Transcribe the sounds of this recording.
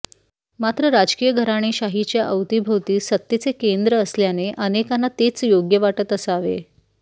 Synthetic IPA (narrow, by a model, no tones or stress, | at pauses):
mat̪ɾəɾad͡ʑkiːjəɡʱəɾaɽ̃iɕaɦit͡ɕjaʔəwt̪ibʱəwt̪iːsət̪ːjit͡sekend̪ɾəːsljaneʔənekanːat̪et͡sjoɡjəʋaʈət̪əsaʋḛ